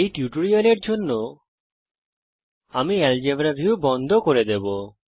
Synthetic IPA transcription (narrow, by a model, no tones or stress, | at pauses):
ejʈjuʈoɾialeɾd͡ʑʱonːo | amiɛld͡ʑebɾabʱiwbɔnd̪ʱokoɾed̪ebo